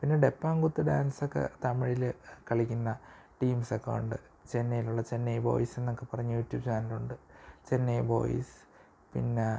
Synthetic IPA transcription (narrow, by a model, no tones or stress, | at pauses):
pinːeɖe̞pːaːŋɡut̪ːɨɖaːnsokːe̞̰t̪ɐmiɻilkɐɭikʲːunːɐ | ʈiːmsekːɐ̰ṵɳɖɨ | t͡ɕe̞nːɐjiluɭːɐt͡ɕe̞nːejʋo̞̰ːjise̞nːo̞kːe̞pɐrɐɲːujuːtːjuːbt͡ɕaːnɐluɳɖɨt͡ɕe̞nːejbo̞̰ːj̰s | pḭnːe